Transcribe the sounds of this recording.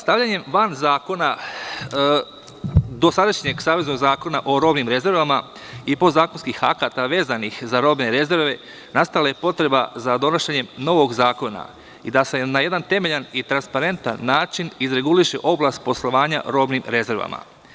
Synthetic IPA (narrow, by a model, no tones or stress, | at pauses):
st̪aʋʎaɲe̞mʋanzaːko̞na | d̪o̞sad̪aʃɲe̞ɡsaːʋezno̞ɡzaːko̞naʔo̞ɾo̞ːbnimɾe̞ze̞ɾʋama | ipo̞zaːkonskixa̰kat̪aʋe̞ːzanixzaɾo̞ːbne̞ɾe̞ze̞ɾʋe̞ | nast̪alajepo̞t̪ɾe̞ba̰zad̪o̞naʃeɲe̞mno̞ʋo̞ɡzaːko̞na̰ | id̪ase̞naje̞d̪ant̪e̞me̞ʎanit̪ɾanspaɾe̞nt̪a̰nːaːt͡ʃinizɾe̞ɡuliʃe̞̰ʔo̞blˠast̪̚po̞slˠo̞ʋaːɲa̰ɾo̞bnimɾe̞ze̞ɾʋa̰ma̰